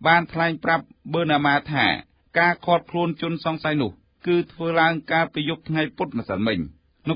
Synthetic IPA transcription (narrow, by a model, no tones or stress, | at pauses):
ɓaːnt̪ʰlaɛŋprap̚ɓəːnaːmaːt̪ʰa̰ː | kaːkʰɔːt̪̚kʰluənt͡ɕŭənsɑŋsajnʊ̆əh | kɨːt̪ʰʋəːlaəŋkalpiːjup̚t̪ʰŋajpʊt̪̚masəlmɨɲ | n